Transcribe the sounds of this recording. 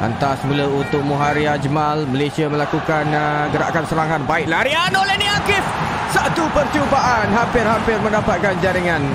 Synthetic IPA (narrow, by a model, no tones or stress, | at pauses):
ʔa̰nt̪asəmuləunt̪ʊk̚muɦaɾiad͡ʒəmalməlesiaməlakukanɡəɾa̰ʔkansəɾaŋanbaɪk̚laɾianolehniakɪf | sat̪upərt͡ʃubaʔanɦampɪrhampɪrmə̃ndapat̪̚kand͡ʒaɾiŋan